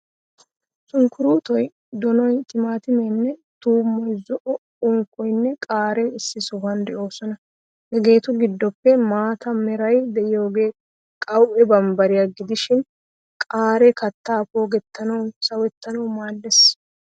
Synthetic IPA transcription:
sʊŋkʊɾuːt̪ɔj | d̪ɔnɔjt̪ɪmaːt̪ɪmɛnːɛt̪uːmːɔjzɔʔɔ | ʊŋkːɔjnːɛkʼaːɾɛɪsːɪsʊbɐnd̪ɛʔo̞ːsɔnɐ | hɛɡe̞ːt̪ʊɡɪd̪ːɔpːɛmaːt̪ɐmɛɾɐjd̪ɛʔɪjo̞ːɡe̞ː | kʼɐwʔɛbɐmbɐɾɪjɐɡɪd̪ɪʃɪn | kʼaːɾɛkɐt̪ːaːpo̞ːɡɛt̪ːɐnɐwsɐwɛt̪ːɐnɐwmaːlːɛs

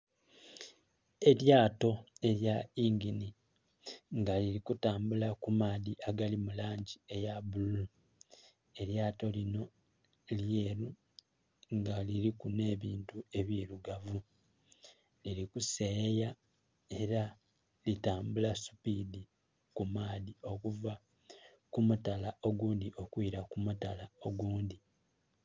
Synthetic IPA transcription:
e̞ɾjaːto̞e̞ɾjaiŋɡini | ŋɡaliɾikutaːmbulakumaːðiaɡalimulaːɲɟie̞jabulu | e̞ɾjaːto̞lino̞ | ljeːɾu | ŋɡaliɾikune̞ːβiːntue̞βjiːɾuɡavu | liɾikuseja | e̞ɾa | litaːmbulasu̥pidi | kumaːdio̞kuva | kumutalaʔo̞ɡuːndiʔo̞kwiɾakumutalao̞ɡuːndi

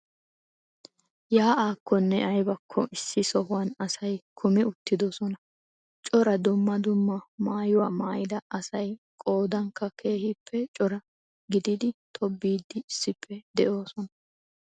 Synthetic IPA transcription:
jaːʔaːkʰːɔnːɛʔɐjbɐkʰːɔʔɪsːɪsɔhʊwɐnɐsɐjkʰʊmɛʊt̪ːɪd̪ɔsɔnɐ | t͡ʃʼɔɾɐd̪ʊmːɐd̪ʊmːɐmaːjʊwaːmaːjɪd̪ɐɐsɐj | kʼo̞ːd̪ɐŋkːɐkʰe̞ːhɪpʰːɛt͡ʃʼɔɾɐ | ɡɪd̪ɪd̪ɪt̪ʰɔbːiːd̪ːɪːsːɪpʰːɛd̪ɛʔo̞ːsɔnɐ̥

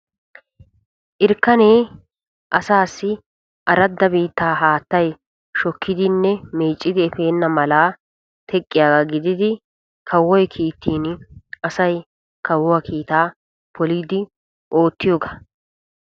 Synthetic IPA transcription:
ʔɪɾkːɐneː | ʔɐsaːsːɪ | ʔɐɾɐd̪ːɐbiːt̪ːaːɦaːt̪ːɐj | ʃɔkʰːɪd̪ɪnːɛmeːt͡ʃʼːɪd̪ɪɛfe̞ːnːɐmɐlaː | t̪ʰɛkʼːɪjaːɡaɡɪd̪ɪd̪ɪ | kʰɐwːɔjkʰiːt̪ːiːnɐsɐj | kɐwːɔwɐkʰiːt̪aː | pʰɔliːd̪ɪ | ʔo̞ːt̪ːɪjoːɡɐ

